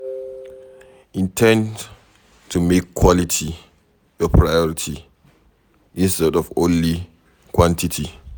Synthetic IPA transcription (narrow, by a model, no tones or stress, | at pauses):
ʔĩntʰɛ̃n | tʰumekʰːwɔlitʰi | jɔpʰɹajɔɹitʰi | ʔĩnstɛdɔfõnli | kwɔ̃ntitʰi